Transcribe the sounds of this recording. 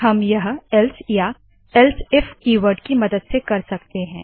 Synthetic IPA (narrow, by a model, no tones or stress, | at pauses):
hɐmjɐɦɛlsja | ɛlsɪfkiːʋəɾɖkimɐd̪əd̪sekɐɾsɐkt̪eɦɛ̃ː